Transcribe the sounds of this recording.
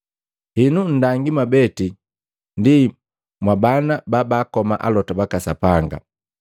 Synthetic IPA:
hinun̩daŋɡimabɛti | ndi | mwabanababaːkɔmaʔalɔtabakasapaŋɡa̰

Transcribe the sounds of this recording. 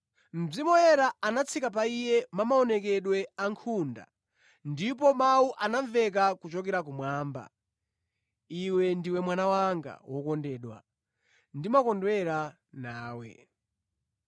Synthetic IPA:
m̩b͡ʐimɔjɛɾaanat͡sʰikap̬aijɛmamaɔnɛkɛɗwɛaŋkʰunda̰ | ndip̬ɔmauʔanaɱvɛk̬akut͡ʃɔk̬ɛɾak̬umwaːmba̰ | iwɛndiwɛmwanawaŋɡa̰wɔkɔndɛːɗwa̰ | ndimakɔndwɛɾa | naːwɛ̰

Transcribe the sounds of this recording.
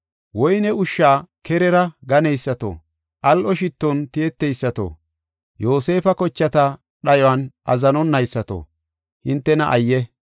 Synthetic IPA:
wɔjnɛʊʃːaːkʰɛɾɛɾɐɡɐnɛjsːɐt̪o̰ | ʔɐlʔɔʃɪt̪ːɔnt̪ɪɛt̪ːɛjsːɐt̪o̰ː | jo̞ːse̞ːfɐkɔt͡ʃːɐt̪ɐ | ɗɐjɔwɐnʔɐ̰zɐnɔnːɐjsːɐt̪o̰ | hɪnt̪ːɛnɐʔɐjːɛ

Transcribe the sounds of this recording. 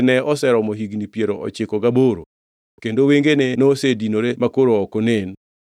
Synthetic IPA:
nɛɔsɛɾɔmɔɦiɡnipjeɾoɔ̰t͡ʃɪkɔɡaboɾo̰ | kendoweŋɡenɛnosedinoɾemakoɾoɔkɔnen

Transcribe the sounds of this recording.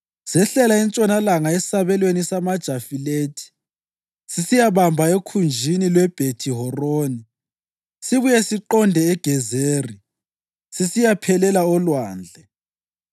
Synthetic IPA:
sɛɬɛlaɛnt͡ʃʼɔnalaŋaesi̥saβɛlwenisamad̥ʒ̥ʱafileːtʰi̥ | sisijaβambʱaekʰund͡ʒʱinilwɛb̥ʱetʰiɦɔroːni | siβujɛsiǃɔndʱɛɛɡ̥ʱɛzeːri | sisijapʰɛlɛlaɔlwaːnd͡ɮʱɛ

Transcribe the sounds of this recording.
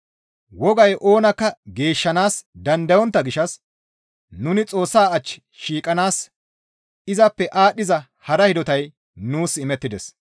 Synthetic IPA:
wɔɡɐjʔo̞ːnɐkːɐɡe̞ːʃːɐnaːsd̪ɐnd̪ɐjɔnt̪ːɐɡɪʃːɐs | nʊnɪt͡sʼo̞ːsːaːɐt͡ʃːɪ̥ | ʃiːkʼɐnaːs | ɪzɐpːɛʔaːɗːɪzɐ | hɐɾɐhɪd̪ɔt̪ɐj | nuːsɪmɛt̪ːɪd̪ɛs

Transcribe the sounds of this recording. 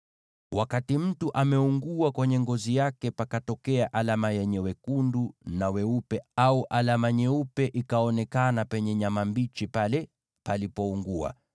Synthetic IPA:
wakatim̩tuʔamɛuŋɡuakwɛɲɛŋɡɔzijakɛpakatɔkɛaʔalamajɛɲɛwɛkundunawɛupɛauʔalamaɲɛupɛʔikaɔnɛkanapɛɲɛɲamambit͡ʃipalɛ | palipɔuŋɡua̰

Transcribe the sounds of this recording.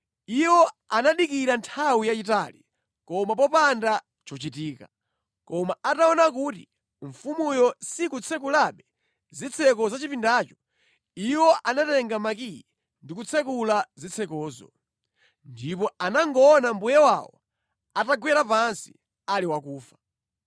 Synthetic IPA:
iwɔanaɗikiɾantʰawijat͡ʃitali | kɔmap̬ɔpanda | t͡ʃɔt͡ʃitiːka | kɔmaʔataɔnak̬uːti | ɱfumujɔsikut͡sʰɛk̬ulaɓɛ | zit͡sʰɛkɔzat͡ʃipindaːt͡ʃɔ̥ | iwɔʔanatɛŋɡamakijɛ | ndikut͡sʰɛkulazit͡sʰɛkɔːzɔ̰ | ndipɔanaŋɡɔːnambujɛwa̰wɔ̰ | ataɡwɛɾapansi̥ | aliwakuːfḁ

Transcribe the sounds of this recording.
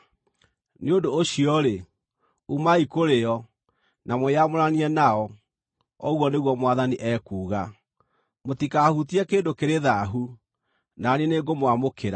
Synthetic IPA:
neodoːɕiɔɾe | umaikoɾeɔ | namojamoɾaniɛnaɔ | ɔɣwɔneɣwɔmwaðaniʔɛːkuːɣa | motikahutiɛkeːdokeɾeðaɦu | naneneɡomwamokeɾa

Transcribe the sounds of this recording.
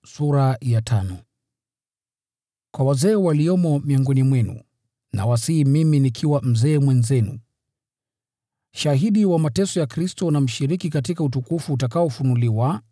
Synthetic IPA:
suɾajatʰanɔ | kwawazɛːwaliɔmɔmiɔŋɡɔnimwɛnṵ | na̰wasimiminikʰiwam̩zɛːmwɛnzɛnṵ | ʃaɦiɗiwamatɛsɔjakɾistɔnam̩ʃiɾikikatikautukufuːtakaɔfunuliwa

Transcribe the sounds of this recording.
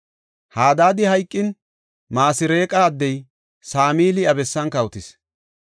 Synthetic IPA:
haːd̪aːd̪ɪhɐjkʼːɪn | maːsɪɾeːkʼaːd̪ːɛj | saːmiːlɪɐbɛsːɐnkɐwt̪ɪs

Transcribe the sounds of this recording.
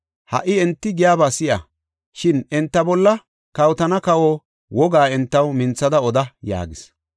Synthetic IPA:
hɐ̰ʔɪɛnt̪ːɪɡɪjaːbaːsɪja̰ | ʃɪnɛnt̪ːɐbɔlːɐ | kɐwt̪ɐnɐkɐwoː | wɔɡaːɛnt̪ːɐwmɪnt͡sːɐd̪ɐɔd̪ɐja̰ːɡɪs

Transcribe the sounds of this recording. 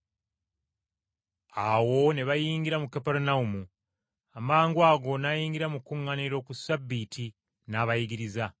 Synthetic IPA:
awo̞neβajiːŋɡiɾamukapeɾunaumu | amaːŋɡwaːɡo̞najiːŋɡiɾamukːuŋːaniɾo̞kusabːitʰi | naβajiɡiɾiza

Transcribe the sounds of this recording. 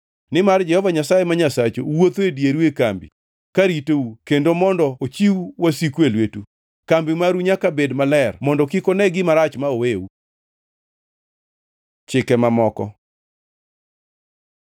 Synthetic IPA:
nɪmard͡ʒɛhɔvaɲasajemaɲasat͡ʃowot̪oedjeɾwekambḭ | kaɾitoukendomɔndɔot͡ʃiwwasikwelwetu | kambɪmaɾuɲakabedmalɛrmɔndɔkikonɛɡɪmaɾat͡ʃmaoweu | t͡ʃɪkɛmamɔkɔ̰

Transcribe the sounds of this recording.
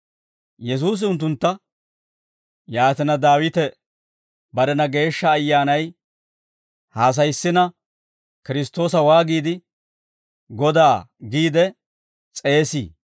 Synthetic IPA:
jɛs̬uːs̬ɪʊnt̪ːʊnt̪ːɐ | jaːt̪ɪnɐd̪aːwɪt̪ɛ | bɐɾɛnɐɡe̞ːʃːɐːjːaːnɐj | haːs̬ɐjsːɪnɐ | kɪɾɪst̪o̞ːs̬ɐwaːɡiːd̪ɪ | ɡɔd̪aːɡiːd̪ɛ | t͡sʼe̞ːsḭː

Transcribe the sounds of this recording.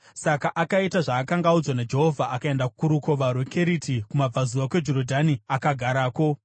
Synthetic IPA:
sakaʔakaitaʐaːkaŋɡaud͡zwanad͡ʒe̞ɦo̞vʱaʔakae̞ndaku̥kuɾuko̞ʋaɾwe̞kʰe̞ɾitʰikumab͡vʱazuwakwe̞d͡ʒo̞ɾodʱaniakaɡʱaɾaːko̞

